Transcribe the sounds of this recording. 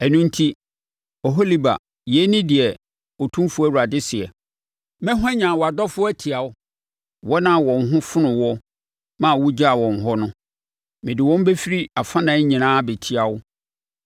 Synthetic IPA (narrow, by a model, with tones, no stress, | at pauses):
ɛ˨nũ˦n̩˦tʰi˦ | ɔ˨ɦɔ˦li˦ba̰˨ | jɛ˨˦nĩ˦dɪ˨ɛ˨ | ɔ˨tʰũ˦mfʊ˦æ˦wu˨ɾa˨dɪ˦sɪ˨ɛ̰˨ | mɛ̃˦ɦɛ̃˦ɲã˨wɔ˨a˨dɔ˦fʊ˦ɔ˦æ˦tʰi˨a˨ʊ˦ | wɔ˦nã˦˨wɔ̃˨n˦ɦʊ̃˦fʊ˦nʊ̃˨wɔ˦ | mã˦˨wu˦d͡ʑa˦a˨wɔ̃˨n˨ɦɔ˦nʊ̃˦ | mɪ̃˨dɪ˨wɔ̃˦m˦be˦fi˦ɾi˦a˨fã˦nã˨˦ɲĩ˨nãː˦bɛ˨tʰi˦a˨wʊ˦